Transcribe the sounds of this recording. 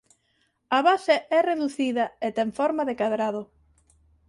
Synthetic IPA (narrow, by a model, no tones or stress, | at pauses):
aβaseʔɛreðuθiðɐet̪ɛɱfɔɾmɐðekaðɾað̞ʊ